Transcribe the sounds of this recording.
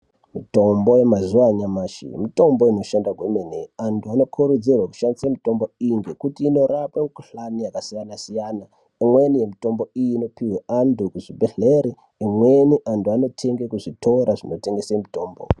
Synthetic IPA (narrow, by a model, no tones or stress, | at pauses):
mito̞mbo̞je̞mazuwaɲamaːʃḭmito̞mbo̞ino̞ʃandakwemeneantʰuano̞kʰuɾud͡zirwaku̥ʃandisemito̞mbo̞iŋɡe̞kutiːno̞rapemikuɬanijakasijanasijana | imwenije̞mito̞mbo̞ijiːno̞piweʔandʱukuʐibʱeɮeɾiː | mweniʔantuano̞tʰe̞ŋɡekuʐitʰo̞ɾaʐino̞te̞ŋɡe̞semito̞ːmbo̰